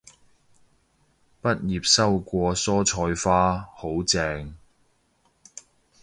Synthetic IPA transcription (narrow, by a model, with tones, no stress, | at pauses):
pɐ˥t̚jiː˨p̚sɐ˥wkʷɔː˧sɔː˥t͡ʃʰɔː˧jfaː˥ho˨˥wt͡sɛː˧ŋ